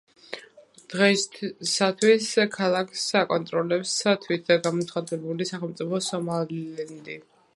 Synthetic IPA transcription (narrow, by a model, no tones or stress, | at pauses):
d̪̥ʁɛsːat̪ʰwiskʰalˠakʰsakʼɔnt̪ʼɾɔlɛpsat̪ʰwit̪̚ʰaɡamɔt̪sʰχad̪ɛbulisaχɛlˠmt̪sʼipʰɔsɔmalɛnd̪i